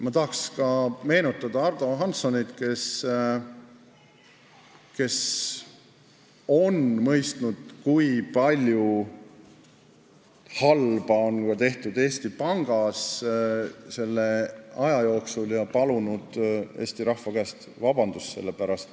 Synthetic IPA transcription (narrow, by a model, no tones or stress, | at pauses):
mɑt̪ɑɦɑkskɑme̞ːnut̪ːˑɑd̪̥ɑɑrd̪̥o̞ɦɑnso̞nit̪ke̞s | ke̞s | o̞nmɤjst̪nud̪̥̚kujpɑlʲju | hɑlb̥ɑo̞nkɑt̪e̞ht̪ud̪e̞ːst̪ipɑŋɡ̥ɑs | se̞lːe̞ɑjɑjo̞ːksuljɑpɑlunud̪̥e̞̰ːst̪iɾɑhvɑkæːst̪ | vɑb̥ɑnd̪̥usse̞̰lːe̞pæɾɑst̪